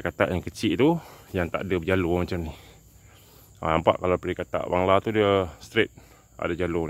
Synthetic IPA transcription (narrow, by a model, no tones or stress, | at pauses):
kat̪a̰ʔjaŋkət͡ʃiʔt̪ujaŋt̪a̰ʔadabəd͡ʒalomat͡ʃamni | ə̰nampa̰ʔkalapəɾikat̪a̰ʔwaŋlat̪udiəst̪ɾet̪̚ | a̰dad͡ʒalon